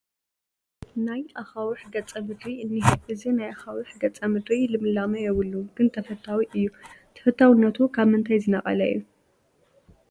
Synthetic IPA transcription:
najʔaxawiħɡɐt͡sʼɐmɨd̪ɾiɨnːihʔɨzinajaxawiħɡɐt͡sʼɐmɨd̪ɾilɨmɨlamɐjɛβɨlːuɡ̥ɨnt̪ʰɐfɐt̪ʰːawiʔɨjːut̪ʰɐ̥fɐt̪ʰːawɨnːɐt̪ʰukʰaβmɨnt̪ʰajzɨnɐχʼɐ̰lɐjːu

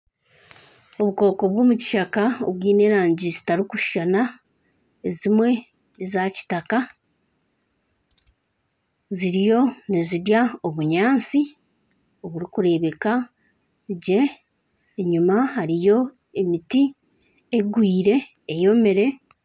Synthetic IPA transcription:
o̞βuko̞ːko̞βwo̞ːmuci̥ʃakao̰βwiːne̞ːɾaːɲɟizitaɾikuʃʃana | ezimwe̞ | zaci̥taka | ziɾijo̞neziɾjao̞βuɲaːnt͡si | o̞βuɾikuɾe̞βe̞ka | ɟe̞ː | ɲumaɦaɾijo̞ | e̞miti | eɡwiːɾe̞ː | jo̞me̞ɾe̞

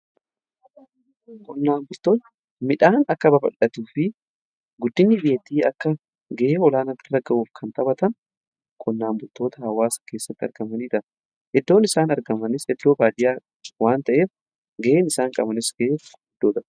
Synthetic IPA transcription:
kʼɔnːaːmbʊlt̪o̞ːt̪ɐ̥ | mɪᶑaːnɐkːɐbɐbɐ̰lɐt̪uːfɪ | ɡʊd̪ːɪnːɪbɪjɛt̪iːɐkːɐ | ɡɐʔeːɔlaːnɐt̪ːɪɾɐɡɐʔuːfkʰɐnt̪ʼɐbɐt̪ɐn | kʼɔnːaːmbʊlt̪o̞ːt̪ɐhɐwaːsɐ̥ke̞ːsːɐt̪ːɐ̰ɾɡɐmɐniːt̪ɐ | ʔɛd̪ːo̞ːnɪsaːnɐɾɡɐmɐnɪsɛd̪ːo̞ːbaːd̪ɪjaː | waːnt̪ɐʔeːf | ɡɐʔeːnɪsaːŋkʼɐ̰bɐnɪsɡɐʔeːf | ɪd̪̥ːoːt̪ɐ

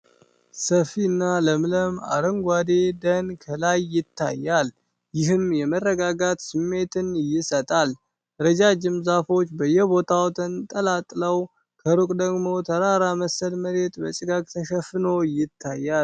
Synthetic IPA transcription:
səfinːaləmɨləma̰ɾəŋɡʷad̪ed̪ənkʰəlajːɪt̪ʰːa̰jːal | jɪɦɨmjɛmərːəɡaɡat̪sɨmːe̞t̪ʰɨnjɪsət̪ʼal | ɾəd͡ʒad͡ʒɪmzafo̞t͡ʃːbəjːɛbo̞t̪ʰawt̪ʰənt̪ʼəlat̪ʼləw | kʰəɾukʼd̪əɡmo̞t̪ʰəɾaɾaməsəlməɾe̞t̪ʼbət͡ʃʼɪɡakʼt̪ʰəʃəfɨno̞jɪt̪ʰːajːa

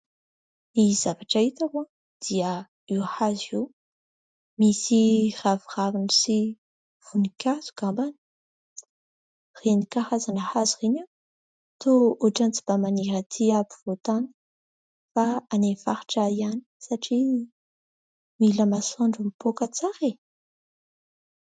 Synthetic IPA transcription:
niz̥avaʈ͡ʂait̪ava | d̪̥ia | iwahazew | misiraviravinisi | v̥unikʲʰaz̥u̥kambani̥ | renikahazanəhazirena | t̪ʰouʈ͡ʂant͡si̥b̥amaniɾat̪ʰiapi̥vot̪anə̥ | faanefa̰ɾi̥ʈ͡ʂaiani̥saʈ͡ʂi | miləmasoɳɖ͡ʐumipokət͡saɾe

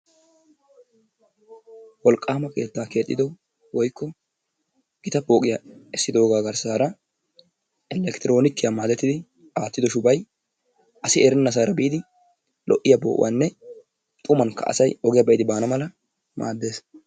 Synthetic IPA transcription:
wɔlkʼːaːmɐke̞ːt̪ːaːke̞ːt̪ʼːɪd̪ɔ | wɔjkːɔ | ɡ̥ɪt̪ɐbo̞ːkʼɪjaɛsːɪd̪o̞ːɡaːɡɐɾsaːɾɐ | ɛlɛkt̪ɪɾo̞ːnɪkːɪjaːmaːd̪ɛt̪ːɪd̪ɪ | aːt̪ːɪd̪ɔʃʊbɐj | ʔɐsɪɛɾɛnːɐs̬aːɾɐbiːd̪ɪ | lʔɔ̰ʔɪjabo̰ːʔʊ̰ʔa̰nːɛ | t̪ʼʊmɐnkːɐ̰ʔɐ̰sɐjɔɡɪjɐbɛʔɪd̪ɪbaːnɐmɐlɐ | ma̰ːd̪ːe̞ːs

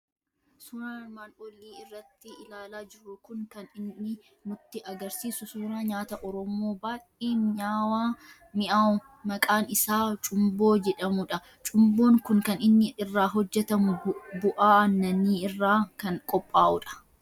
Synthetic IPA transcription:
sʊɾaːnmaːlʔoːlːiːɪrːɐt̪ːɪɪlaːlaːd͡ʒɪrːʊkʊŋkɐnɪnːɪ | mʊt̪ːɪʔɐɡɐɾsiːsʊsʊɾaːɲaːt̪ɐʔɔɾɔmoːbaːʔeːnɲaːwaː | mɪʔa | mɐkʼaːnɪsaːt͡ʃʼʊmbo̞ːd͡ʒɛᶑɐmʊᶑɐ | t͡ʃʼʊmbo̞ːŋkʊŋkɐnɪnːɪʔɪrːaːɦɔd͡ʒːɛt̪ɐmʊbʊʔaːɐnːɐniːɪrːaːkɐŋkʼɔpʼːaːʔʊᶑɐ̥

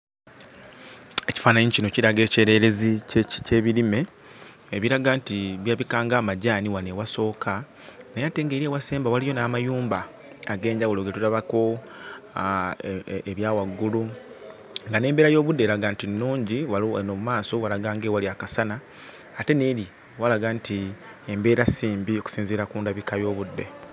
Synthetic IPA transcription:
eci̥faːnaɲicinociɾaɡe̞ːce̞ːɾe̞ɾe̞ziceːβiɾime̞ː | βiɾaɡaːntiβjaβikaːŋɡaːmaɟaːniwanewaso̞ːkʰa | nejate̞ːŋɡe̞ɾiewaseːmbawalijo̞naːmajuːmba | aɡe̞ːɲɟawuloɡetuɾaβako̞ | eβjaːwaɡːulu | ŋɡane̞ːmbe̞ːɾajo̞ːβudːe̞ɾaɡaːntinːuːɲɟiwanomumaːso̞walaɡaːŋɡewaliakasanaː | te̞ne̞ɾi | walaɡaːnti | embe̞ːɾasiːmbioku̥siːnziɾakuːndaβikajo̞ːβudːe̞̰

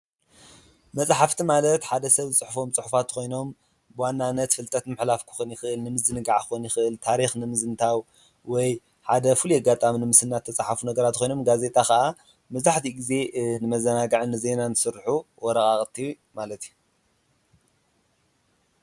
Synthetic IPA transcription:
mɐt͡sʼħaft̪ʰimalɐt̪ħad̪ɐsɐβzɨt͡sʼɨħufo̞mt͡sʼɨħufat̪ːxʰʷo̞jno̞m | bɨwanːanːɐt̪fɨlt̪ʼɐt̪mɨħlafkʰɨ̥xɨnjɪxɨʔɨlnɨmɨzɨnɨɡaʕɨxonjɪxɨʔɨlt̪ʰaɾixnɨmɨzɨnt̪ʰaw | wɔj | ħad̪ɐfɨlujaɡat̪ʼaminɨmɨsɨnːat̪ʰːɐt͡sʼaħafunɐɡɐɾat̪kʰʷojno̞mɡaze̞t̪ʼakɐʔa | mɐzaħt̪ʰiɡize̞nɨmɐzɐnaɡaʕɨnɨze̞nanʰɨsɨɾħuwɔɾɐkʼaχʼt̪ʼʰːiju | malɐt̪iju

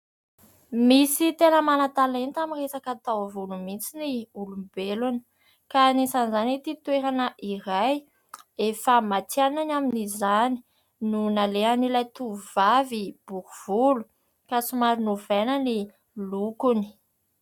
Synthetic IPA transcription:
misit̪enəmanat̪alent̪amiresakat̪awvulumint͡siniulumbeluni̥ | kanesanizanit̪it̪weɾanəʔiɾaj | efəmat͡siananaminizani̥ | nunaleanilajt̪uvuvavib̥ukuv̥ulu̥ | kasumaɾunuvenəni | lukuni̥

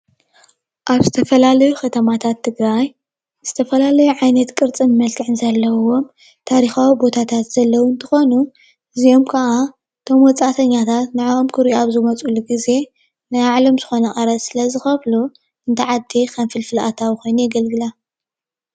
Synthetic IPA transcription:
ʔaβzɨt̪ʰɐfɐlalɐjukʰɐt̪ʰɐmat̪ʰat̪ʰːɨɡɾaj | z̥ɨt̪ʰɐfɐlalɐjuʕajnɐt̪kʼɨɾt͡sʼɨmmɐlt̪ʰɨʕɨnzɐlːɐwo̞m | t̪ʰaɾixawibo̞t̪ʰat̪ʰat̪z̥ɐlːɐwunt̪ʰɨxo̞nu | ʔɨzijo̞mkʰɐʔa | t̪ʰo̞mwɔt͡sʼat̪ʰɐɲːat̪ʰat̪naʕaomkʰɨɾaβzɨmɐt͡sʼuluɡize̞ | najaʕlo̞mzɨxo̞nɐxʼɐɾɐsɨlɐzɨxɐβlu | ɨnt̪ʰɐʕad̪ixʰɐnfɨlfɨlʔa̰t̪ʰawixo̞jnujɛɡɐlɡɨla

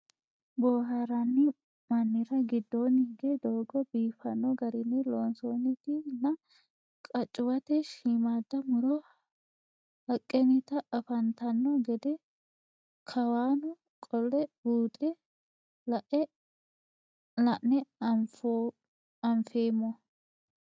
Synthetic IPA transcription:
boːɦaɾɐnːɪ | mɐnːɪɾɐɡɪd̪ːoːnːɪɪɡɛd̪oːɡɔbiːfɐnːɔɡɐɾɪnːɪloːnsoːnːɪt̪ɪnɐ | kʼɐt͡ʃʼːʊwɐt̪ɛʃiːmaːd̪ːɐmʊɾɔ | hɐkʼːɛnɪt̪ɐɐfɐnt̪ɐnːɔɡɛd̪ɛ | kʰɐwaːnʊ | kʼɔlːɛbuːt̪ʼɛ | lɐʔɛ | lɐʔnɛf | ɐmfeːmːɔ

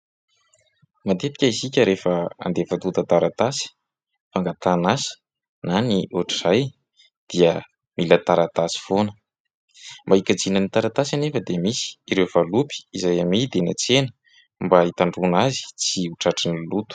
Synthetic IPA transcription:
mat̪et̪i̥kʲaisikʲəɾefəa̰nd̪evat̪ut̪ət̪aɾat̪asi̥ | faŋɡat̪anasi̥ | naniʔuʈ͡ʂiz̥aj | d̪̥iə | milət̪aɾat̪asi̥fonə̥ | mbaikad͡zinənit̪aɾat̪asanefəd̪emisi̥iɾewvalupi̥izajamid̪enat͡senə̥ | mbait̪aɳɖ͡ʐunazi̥t͡siuʈ͡ʂaʈ͡ʂinilut̪u̥

